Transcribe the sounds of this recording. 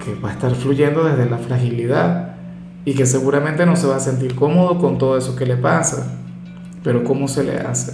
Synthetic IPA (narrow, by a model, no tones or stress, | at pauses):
ke̞βae̞st̪aɾfluʝe̞nd̪o̞ðe̞zðe̞lafɾaxiliðað | ike̞s̬e̞ɣuɾame̞nt̪e̞no̞se̞βaːse̞nt̪̬iɾko̞mo̞ð̞o̞ko̞nt̪oðoe̞so̞ke̞le̞pasa̰ | pe̞ɾo̞ko̞mo̞se̞le̞̰a̰se̥